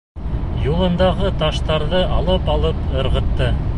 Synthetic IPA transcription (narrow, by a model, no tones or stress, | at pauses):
julˠɤ̆nd̪ɑʁɤt̪ɑʃt̪ɑɾðɤʔɑlˠɤpɑlˠɤpɤ̆ɾʁɤ̆t̪ːɤ